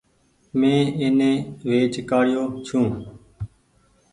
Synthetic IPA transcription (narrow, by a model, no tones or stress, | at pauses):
mẽːɪnẽːʋeːt͡ʃkaːɽjoːt͡ʃʰũː